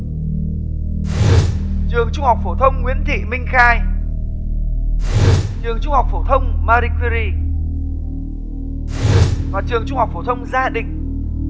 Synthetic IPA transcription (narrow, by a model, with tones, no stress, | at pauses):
t͡ɕɨ˨˩əŋt͡ɕʊ˧ŋ͡mha˨˩wk͡p̚fo˧˩t̪ʰə˧wŋ͡mŋwi˧˦˥ənt̪ʰḭ˧˨mï˧ŋ̟xaː˧j | t͡ɕɨ˨˩əŋt͡ɕʊ˧ŋ͡mha˨˩wk͡p̚fo˧˩t̪ʰə˧wŋ͡mmaː˧ɾi˧kwi˧ɾi˧ | vaː˨˩t͡ɕɨ˨˩əŋt͡ɕʊ˧ŋ͡mha˨˩k͡p̚fo˧˩t̪ʰə˧wŋ͡mzaː˧ɗï˨ŋ̟